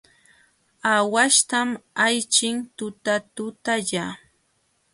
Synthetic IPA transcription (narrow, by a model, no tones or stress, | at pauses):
awaʃt̪amajt͡ʃɪŋt̪ʊt̪at̪ʊt̪aʎa